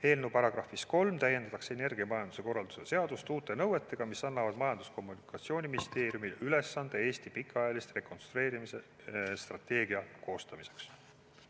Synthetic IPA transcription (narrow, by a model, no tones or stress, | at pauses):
he̞ːlnupɑɾɑɡ̥ɾɑfːˑisko̞lmt̪æje̞nd̪̥ɑt̪ɑkse̞ne̞rɡ̥iɑmɑjɑnd̪use̞ko̞rːɑld̪̥u̥sese̞ɑd̪̥ust̪uːt̪ːˑe̞nɤwe̞t̪ːˑe̞ɡ̥ɑmisɑnːɑvɑd̪̥mɑjɑnd̪usko̞mːunikːˑɑt̪sio̞ːnʲimist̪e̞ːɾjumilyle̞sːɑnd̪̥e̞e̞ːst̪ipikːˑɑjɑlist̪re̞ko̞nst̪ɾue̞ːɾimise̞ | st̪rɑt̪ːˑe̞ːɡiɑko̞ːst̪ɑmise̞ks